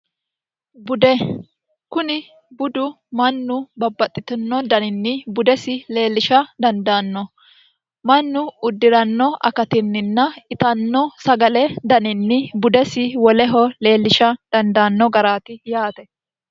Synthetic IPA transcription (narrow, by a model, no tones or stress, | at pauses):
bʊd̪ɛ | kʊnɪ | bʊd̪ʊ | mɐnːʊbɐbːɐt̪ʼːɪt̪ɐnːɔd̪ɐnɪnːɪbʊd̪ɛsɪle̞ːlːɪʃɐd̪ɐnd̪aːnːɔ | mɐnːʊʊd̪ːɪɾɐnːɔʔɐ̰kɐt̪ɪnːɪnːɐɪt̪ɐnːɔsɐɡɐlɛd̪ɐnɪnːɪbʊd̪ɛsɪwɔlɛɦɔle̞ːlːɪʃɐd̪̥ɐnd̪aːnːɔɡɐɾaːt̪ɪjaːt̪ɛ